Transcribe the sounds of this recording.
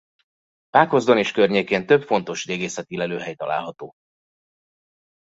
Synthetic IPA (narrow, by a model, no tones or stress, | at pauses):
paːkozd̪o̞neːʃkørɲeːkeːnt̪øpfo̞n̪t̪o̞ʃd̪eːɡeːsɛt̪ilɛløːɦɛjt̪ɒ̰la̰ːlɦɒt̪oː